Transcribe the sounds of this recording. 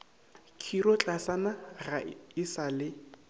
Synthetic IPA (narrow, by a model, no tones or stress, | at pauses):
kʰirɔt͡ɬʼasanaraɪsalɪ